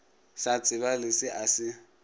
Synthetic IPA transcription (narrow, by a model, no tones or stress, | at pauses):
sat͡sʼɪβalɪsɪʔasɪ